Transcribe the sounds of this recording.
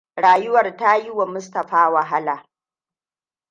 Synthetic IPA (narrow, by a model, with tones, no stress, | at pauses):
ɽaː˨jʊ˦wɐ˨rta˦ji˦wa˨mʊ˦stɐ˨ɸaː˦wɐ˨ɦa˦laː˨